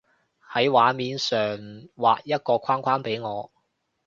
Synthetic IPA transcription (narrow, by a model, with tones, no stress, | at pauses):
hɐ˨˥jwaː˨˥miː˨˧nsœː˨˩ŋwa̰ː˨k̚jɐ˥t̚kɔː˧kʷʰwaː˥nkʰwaː˥npe˨˥jŋɔː˨˧